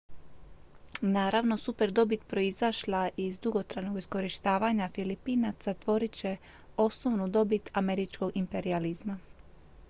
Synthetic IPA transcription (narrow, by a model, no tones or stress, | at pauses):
naːɾaʋno̞supe̞ɾd̪o̞bit̪pɾo̞izaʃlˠaʔizd̪uɡo̞t̪ɾajno̞ɡisko̞ɾiʃt̪aːʋaɲafilipiːnat̪sat̪ʋo̞ɾit͡ɕe̞ | o̞snoʋnud̪o̞bit̪ame̞ɾit͡ʃko̞ɡimpe̞ɾializma